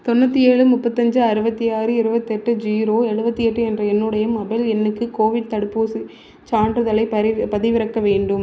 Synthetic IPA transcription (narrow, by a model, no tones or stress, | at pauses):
t̪ɔnːɐt̪ːijeːɻɯmʊpːɐt̪ːɐɲd͡ʒɯɐɾɯbɐt̪ːijaːɾɯɪɾɯbɐt̪ːɛʈːɯd͡ʒiːɾoːɛɻɯbɐt̪ːɯɛʈːɯɛndrɐɛnːɯɽɐjɐmɐbɐlɛnːɯkːɯkoːʋɪɖ̚t̪ɐɽɯpːuːsɯ | t͡ʃaːɳɖrɯðɐlɐɪɐpɐðɪʋɪɾɐkːɐʋeːɳɖɯm